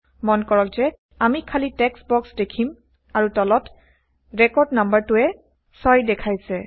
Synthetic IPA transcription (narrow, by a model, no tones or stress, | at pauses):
mɔnkɔɹɔkzɛ | amikʰalitɛksbɔksdekʰim | aɹutɔlɔt | ɹɛkɔɹdnambaɹtʊɛ | sɔjdɛkʰajsɛ